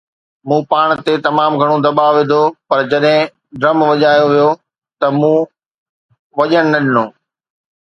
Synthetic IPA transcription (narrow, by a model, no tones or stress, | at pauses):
mũːpaːɽ̃t̪et̪ɐmaːmɡʱɐɽ̃od̪ɐɓaːʋɪd̪ʱopɐɾd͡ʑɐɗɦɪ̃ | ɖɾɐmʋɐʄaːjoʋijo | t̪ɐmũː | ʋɐʄəɽ̃nɐɗɪnoː